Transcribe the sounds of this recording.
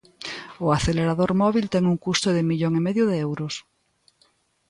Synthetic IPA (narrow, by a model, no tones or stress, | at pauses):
oaθeleɾaðoɾmɔβ̞ilt̪ɛŋuŋkust̪oðemiʎoŋimeðjoðeewɾos